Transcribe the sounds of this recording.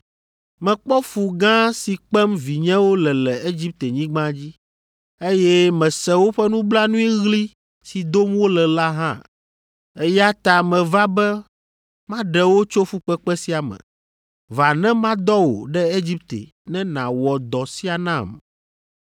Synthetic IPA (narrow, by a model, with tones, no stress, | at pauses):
mɛ̃˨k͡pɔ˦fu˨ɡã˦si˨k͡pɛ˦mvi˨ɲɛ̃˦wo˦lɛ˨lɛ˨e˦d͡ʑi˦p̚t̪e˨ɲĩ˦ɡ͡bã˦d͡ʑi˦ | e˦jɛ˦mɛ̃˨sɛ̃˨wo˦ɸɛ˦nũ˦bla˦nũ˦i˦ɣli˦ | si˨d̪o˦mwo˦lɛ˨la˦ɦã̰˦ | e˦ja˦t̪a˨mɛ̃˨va˦bɛ˦ | mã˦ɖɛ˨wo˦t͡ʃo˦fu˦k͡pɛ˦k͡pɛ˦si˦a˨mɛ̰̃˨ | va˨nɛ̃˦mã˦d̪ɔ˦wo̰˨ɖɛ˦e˦d͡ʑi˦p̚t̪ḛ˨ | nɛ̃˦nã̰˨wɔ˨d̪ɔ˨si˦a˨nã̰˦˨m